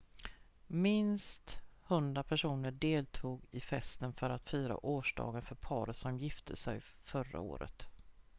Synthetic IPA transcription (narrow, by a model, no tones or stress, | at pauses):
mɪnst̪hɵnd̪ɾapʰæʂuːnəɖeːlt̪ʰuːɡɪfɛst̪ənfœɾat̪fyːɾa̰ʔoːʂɖɑ̰ːɡənfœɾpʰɑːɾəsɔmjɪft̪ʰəsɛ̰jfœɾa̰o̰ːɾə̰t̪